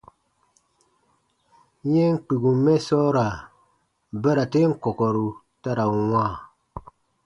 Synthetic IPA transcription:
je˦ŋ̩˦k͡pi˨ɡu˨mɛ˦sɔ˦ɾa˨ | bə˦ɾa˨te˦ŋ̩˦kɔ˨kɔ˨ɾu˨ | ta˦ɾa˨wa˦˨

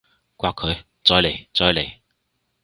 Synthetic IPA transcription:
kwa˧˥kʰɵ˨˧˦ | t͡sɔ˧jle˨˩jt͡sɔː˧jle˨˩j

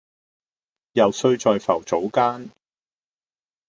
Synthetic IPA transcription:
jɐ˨wsɵ˥˧ɥt͡ʃɔː˨jfɐ̰˨˩wt͡so˨˥wkaː˥n

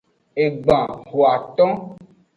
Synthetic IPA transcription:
e˨ɡ͡bã˨ɦo˨a˨t̪ɔ̃˦

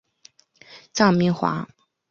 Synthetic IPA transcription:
t͡sɑ˥˩mi˥˩ŋxwa̰˧˥

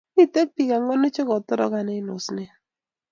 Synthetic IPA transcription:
i˦te˦k̚pi˨ka˨ŋɔ˦nɪ˦t͡ʃɪ˦kɔ˨tɔ˦ɾɔ̰˦ka˨ne˦nʊ˨sne˦

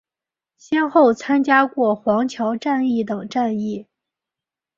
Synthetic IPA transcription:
ɕjɛ˥nxo˥˩ʊt͡sʰa˥nt͡ɕja˥kwɔ˥˩xwɑ˧˥ŋt͡ɕʰjɑ˧˥ʊʈ͡ʂa˥˧ni˥˩t̪ɤ˨˩ŋʈ͡ʂa˥˧ni˥˩

